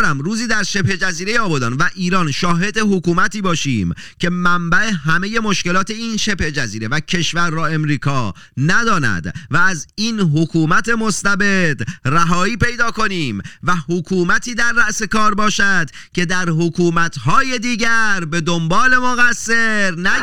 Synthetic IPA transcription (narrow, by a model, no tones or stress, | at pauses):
ɾæmɾuːziːd̪æɾʃe̞phe̞d͡ʒæziːɾe̞jeɒːbod̪ɒːnvæʔiːɾɒːnʃɒːɦe̞d̪e̞ɦokuːmæt̪ʰiːbɒːʃḭːm | cʰe̞mæmbæʔe̞ɦæme̞je̞mo̞ʃke̞lɒːt̪ʰe̞iːnʃe̞phed͡ʒæziːɾe̞væcʰe̞ʃvæɾːɒːe̞mɾiːkʰɒː | næd̪ɒːnæ̰d̪væːziːnɦokʰuːmæt̪ʰe̞most̪æbe̞d̪̥ræɦɒːiːpe̞jd̪ɒːko̞niːmvæhokʰuːmæt̪ʰiːd̪æɾːæʔse̞kɒːɾbɒːʃæd̪̥ | cʰe̞d̪æɾɦokʰuːmæt̪ʰhɒːje̞d̪iːɟæɾbe̞d̪ombɒːle̞moɣæsːe̞ɾnæ